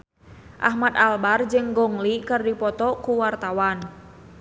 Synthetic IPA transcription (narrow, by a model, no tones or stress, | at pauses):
ʔa̰hmat̪albard͡ʒɨŋɡɔŋlikɨrdipɔt̪ɔkuwart̪awan